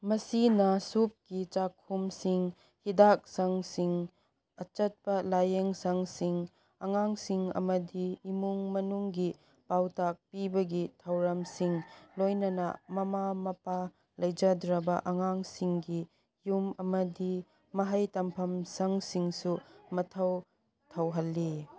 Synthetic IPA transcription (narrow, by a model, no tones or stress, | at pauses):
mɐsinɐsup̚kit͡ʃakʰumsiŋ | hidak̚sɐŋsiŋ | ɐt͡ʃɐt̚pɐlajeŋsɐŋsiŋ | ɐŋaŋsiŋɐ̰mɐdiːmuŋmɐnuŋɡi | pawtʰak̚pibɐɡitʰɐwɾɐmsiŋlojnɐnɐ̰mɐmamɐpa | lɐjd͡ʒɐdɾɐbɐʔɐŋaŋsiŋɡi | jumɐmɐdi | mɐɦɐjtɐmpʰɐmsɐŋsiŋsumɐtʰɐw | tʰɐwɦɐlːi